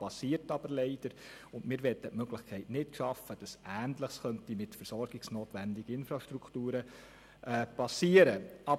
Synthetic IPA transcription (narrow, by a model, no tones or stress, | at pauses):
pɑsiːəɾtɑbəɾlɛɪd̥əɾʊndmɪːɾʋɛt̪ːətmœɡ̥lɪχkʰɛɪtnɪtʃɑfːəd̥ɑsæːntləχsχœntimɪtfəɾsɔɾɡ̥ɪksnoːtʋændɪɡəɪnfɾɑʃtɾukʰtuːɾə | ʔɛːpɑsiːəɾəɑ